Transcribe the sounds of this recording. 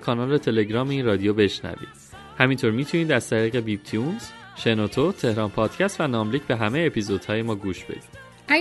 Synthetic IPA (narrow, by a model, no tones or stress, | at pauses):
kʰɒːnɒːlɾet̪ʰe̞le̞ɟɾɒːmeiːnrɒːd̪ijobe̞ʃnæ̰vḭːd̪̥ | hæmint̪ʰoɾmiːt̪ʰuniːd̪æzt̪ʰæɾiːɣe̞biːbt̪ʰijunz̥ | ʃe̞not̪ʰot̪ʰe̞hɾɒːnpʰɒːd̪̥cʰæst̪vænɒːmliːcbe̞ɦæmejeːpʰizod̪̥hɒːje̞mɒːɡuːʃb̥e̞̰d̪iːd̥̪